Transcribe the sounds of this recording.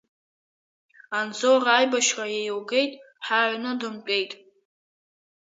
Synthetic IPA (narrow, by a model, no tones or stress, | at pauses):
and͡zoraːjbaʃrajejwɡe̞jtʼ | ħaʕʷnɨdɨmpʼe̞jtʼ